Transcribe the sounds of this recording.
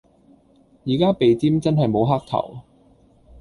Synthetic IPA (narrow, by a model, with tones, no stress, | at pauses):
jiː˨˩kaː˥pe˨jt͡siː˥mt͡sɐ˥nɦɐ˨jmo˨˧wɦaː˥k̚t̪ʰɐ̰˨˩w